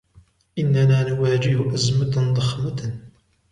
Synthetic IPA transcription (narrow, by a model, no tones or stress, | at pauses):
ʔɪnːanaːnʊwaːd͡ʒɪhʊʔazmad̪ˤɑxmat̪